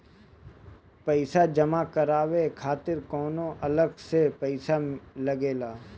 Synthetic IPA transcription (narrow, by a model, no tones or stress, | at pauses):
pəɪsad͡ʒɐmakɐɾaːʋekʰaːt̪ɪɾkɔːnõʔɐləɡsepɛɪsalɐɡeːlaː